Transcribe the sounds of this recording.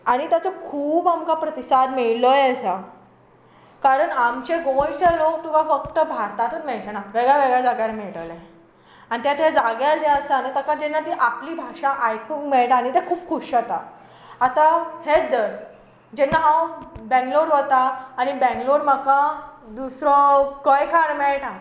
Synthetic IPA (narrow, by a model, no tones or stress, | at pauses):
aɽ̃it̪jat͡sakʰuːbamkapɾət̪isad̪meɭlɔjəsa | kaɾəɳamt͡ɕeɡõjt͡ɕalok̚t̪ukafək̚ʈ̪əbʱaɾt̪at̪unmeɭt͡ɕenaʋeɡɭjaʋeɡɭjad͡zaɡjalmeɭʈəle | añit̪jat̪ʰed͡zaɡjald͡ʑeəsanət̪akad͡ʑɛnːat̪iːʔapliːbʱaʂãʔajkukmeɭʈaɽ̃it̪ekʰuːpkʰuʂot̪aː | t̪ahet͡sd̪əɾ | d͡ʑɛnːaɦawbɛ̃ŋɡloɽɦot̪aːɽ̃ibɛ̃ŋɡloɽməkad̪usɾɔkəjkʰaɾmeɭʈã